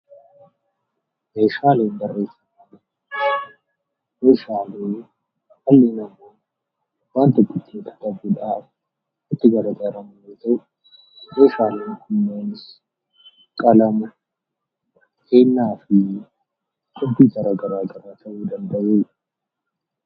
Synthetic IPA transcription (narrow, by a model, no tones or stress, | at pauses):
meːʃaːleːnbɐrːe̞ːsɐnanɐ | meːʃaːleː | hɐlːeːnɐmo | waːnt̪ɪkʼːɪt̪ːiːŋkʰɐ̥t̪ɐbuᶑaːf | ɪt̪ːɪɡɐɾɐɡ̪ɐɾɐmɐneːt̪ɐʊ | meːʃaːleːnkʊnːeːnɪs | kʼɐlɐmʊ | eːnːaːfɪ | kʼʊbiːɡɐɾaːɡɐɾaːɡɐɾaːt̪ʰɐʔud̪ɐnd̪ɐʔeː